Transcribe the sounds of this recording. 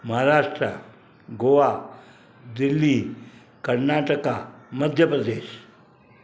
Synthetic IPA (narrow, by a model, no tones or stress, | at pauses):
məɦaɾaʂʈɾə̰ | ɡoʋa | d̪ilːi | kəɾnaʈəkaməd̪ʱjəpɾəd̪eːɕ